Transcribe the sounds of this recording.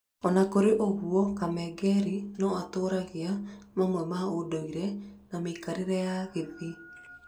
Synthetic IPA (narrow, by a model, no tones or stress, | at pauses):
ɔnakoɾeʔoɣuɔkamɛɡɛɾinɔatoːɾaɣeamamwɛmaodoiɾɛnameikaɾeɾɛjaɣeði